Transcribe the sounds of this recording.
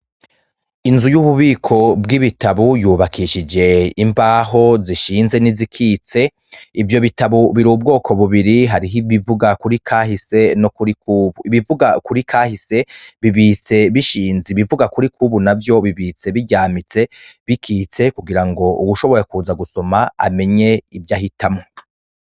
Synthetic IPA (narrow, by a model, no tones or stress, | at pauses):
inzujuβuβiːkʰo̞bɡiβitaβujuːβakʰiʃid͡ʒe̞imbaːɦo̞ziʃiːnze̞nizikʰiːt͡se̞ | ivjo̞βitaβuβiɾuːb̚ɡo̞ːkʰo̞βuβiɾiɦaɾiɦiβivuɡakuɾikʰaːhise̞nokuɾikuβuiβivuɡakuɾikʰaːhise̞βiβit͡se̞βiʃiːnziβivuɡakuɾikʰuβunavjo̞βiβiːt͡se̞βiɟaːmit͡se̞βikʰiːt͡se̞kuɡiɾaŋɡo̞ʔuβuʃo̞βo̞je̞kuːzaɡuso̞maa̰me̞ɲe̞ivjahitʰamŋo